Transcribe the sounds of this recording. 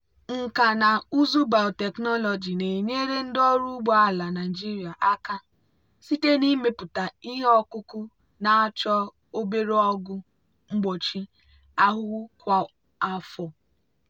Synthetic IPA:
ŋ̩˨ka˨na˨u˦zu˦ba˨ʊ˨te˨knɔ˦lɔ˨d͡ʒi˨ne˨ɲe˦ɾe˦n̩˦dɔ˦ɾu˦ɡ͡bɔ˦a˦la˨na˨i˨d͡ʒi˦ɾi˨a˨ʔa˦ka˦ | si˦te˦ni˦me˨pʊ˨ta˨i˦ɦe˦ɔ˦kʊ˦kʊ˦ | na˨a˦t͡ʃɔ˦ | o˦be˦ɾe˦ɔ˦ɡʊ˦ | ŋ͡m̩˦ɡ͡bo˨t͡ʃi˦ | a˦ɦʊ˦ʊ˦kʷa˦ | a˦fɔ˨

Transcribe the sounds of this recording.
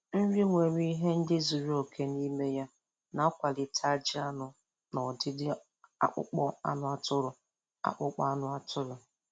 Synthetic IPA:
n̩˦ɾi˦ŋʷe˨ɾi˦i˦ɦe˦n̩˦dɪ˦zu˨ɾi˦o˨kʰe˦ni˦me˦ja˦ | na˦kʷa˨lɪ˨tʰa˦d͡ʒɪ˦a˦nʊ˨ | nɔ˨dɪ˦dɪ˦ | a̰˦k͡pʊ̰˦k͡pɔ˦a̰˦nʊ˦a˦tʊ˦ɾʊ˨ | a̰˦˨k͡pʊ˦k͡pa˦a˦nʊ˦a˦tʰʊ˦ɾʊ˨

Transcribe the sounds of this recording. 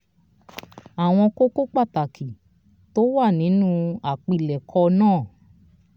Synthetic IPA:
a˨w̃ɔ̃˧ko˦ko˦k͡pa˦˨ta˨kʰi˨ | to˦wa˦˨nĩ˨˦nũ˦a˨k͡pi˧˨lɛ˨kʰɔ˧nãː˦˨

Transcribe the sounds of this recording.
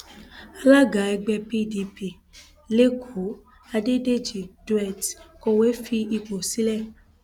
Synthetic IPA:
a˧la˦ɡa˨˦ɛ˧ɡ͡bɛ˧pi˦di˧pi˨ | le˦kʰo˨˦ | a˧de˦de˦˨d͡ʒi˨du˧˦ɛ˦˨tkɔ˧we˦fi˧i˧k͡po˨si˦lɛ˦˨

